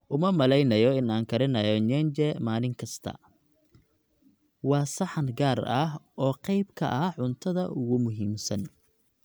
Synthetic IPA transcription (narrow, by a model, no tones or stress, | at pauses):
ʔʊmɐmɐlɛjnɐjɔɪnaːŋkʰɐɾɪnɐjɔɲɛnt͡ʃɛmaːlɪŋkʰɐst̪ʰɐ̰ | wɑːsɑħɑnɡaːrɐɦʔɔːqɑjbkʰɐ̰ʔɐʕʊnt̪ʰɐðɐ̰ʔʊɣʊmʊɦiːmsɐn